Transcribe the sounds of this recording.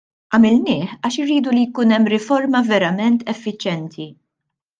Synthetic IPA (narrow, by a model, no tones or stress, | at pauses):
ʔɐmɪlnɪːħɐːʃɪɾːiːd̪ulijkuːnɛmːɾɪfɔɾmɐvɛɾɐmɛnt̪ʰɛfːɪt͡ʃjɛnt̪ʰi